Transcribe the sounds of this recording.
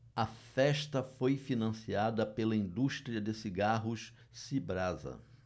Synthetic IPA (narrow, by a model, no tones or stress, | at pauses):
ɐfɛʃt̪ɐfojfinɐ̃siad̪ɐpelɐĩnd̪uʃt̪ɾiɐd̪esiɡaɦʊʃ | sibɾazɐ̰